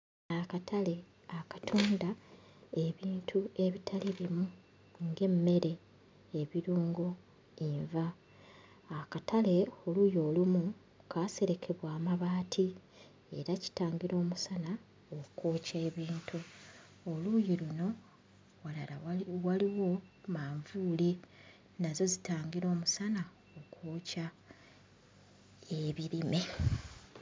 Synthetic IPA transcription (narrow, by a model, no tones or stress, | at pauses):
akatʰale̞ | akḁtʰoːndaeβiːntʰue̞βitʰaleβimu | ŋɡe̞mːe̞ɾe̞ː | βiɾuːŋɡo | iɱvaː | katale̞olujo̞ːlumu | kʰaːse̞ɾe̞kʰe̞βwaːmaβaːtʰi | e̞̰ɾaci̥taːŋɡiɾo̞ːmusana | okoːce̞ːβiːntʰu | olujiluno̞ | walalawaliwo̞maːɱvuːli | nazo̞zitaːŋɡiɾo̞ːmusana | okʰoːca | eβiɾime̞